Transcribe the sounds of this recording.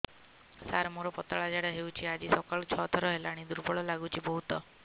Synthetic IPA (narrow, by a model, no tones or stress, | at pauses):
saɾmuɾɔpɔt̪aɭad͡ʒaɽaɦewt͡ʃʰiad͡ʒisɔkaɭɔt͡ʃʰɔt̪ʰɔɾɔɦelaɽ̃id̪uɾbɔɭɔlaɡut͡ʃʰibɔɦut̪ɔ